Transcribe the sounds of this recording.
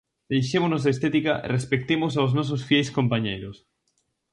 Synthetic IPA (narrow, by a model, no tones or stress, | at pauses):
d̪̥ejʃemonozðest̪et̪ikarʔespek̚t̪emos̬awznɔs̬osfjɛjskompaɲejɾʊs